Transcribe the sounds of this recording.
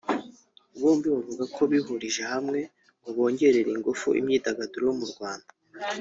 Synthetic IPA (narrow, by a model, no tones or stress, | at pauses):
uβuːmbiβavuɡakʰo̞βiɦuɾiʒehamŋe̞ | uβo̞ːɲɟe̞ɾe̞ɾiŋɡufṵʔḭmɲiːdaɡaduɾowomuɾɡwaːnda